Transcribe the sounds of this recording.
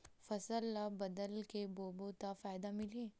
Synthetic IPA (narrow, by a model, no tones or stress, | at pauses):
fɐsəlːabɐd̪əlkeboːbot̪afaːjd̪amɪliː